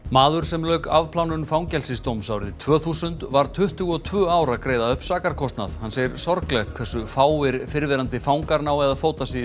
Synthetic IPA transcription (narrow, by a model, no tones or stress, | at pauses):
maːðʏɾ̥sɛmlœːɥkavpʰlawnʏnfawŋcɛlsɪst̪owmsawɾɪðɪt̪ʰv̥œːθusʏnt̪vaɾt̪ʰʏht̪ʏɣɔt̪ʰvʏːawɾakɾeːjðaœhpsaːkaɾ̥kʰɔst̪na̰ðhanːseːjɪɾ̥sɔɾklɛxt̪̚kʰv̥ɛsːʏfaːwɪɾfɪɾvɛɾant̪ɪfaːwŋkaɾnawɛðafoːwt̪asi